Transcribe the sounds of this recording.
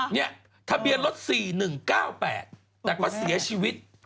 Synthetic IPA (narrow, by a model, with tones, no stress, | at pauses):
ni˦˥˩ɐ | t̪ʰa˧bi˧ənlo˦˥t̪̚siː˨˩nɯ˨˩ŋkaː˥˩wpɛ̰ː˨˩t̪̚ːɛː˨˩kwaː˦˥˩si˨˩˦ɐt͡ɕʰiː˧wi˦˥t̪̚